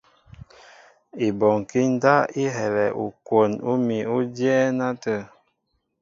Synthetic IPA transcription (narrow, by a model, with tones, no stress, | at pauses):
i˨bɔ˨ŋ˨ki˦n˦da˦i˦ɦɛ˨lɛ˨ʔu˨kwo˨nu˦mi˨u˦djɛ˦na˦tə˦˨